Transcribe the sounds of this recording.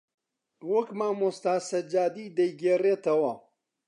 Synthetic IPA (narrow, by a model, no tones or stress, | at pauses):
wɐkmaːmʊst̪aːsɐd͡ʒaːd̪iːd̪ɐjɡeːreːt̪ɐwɐ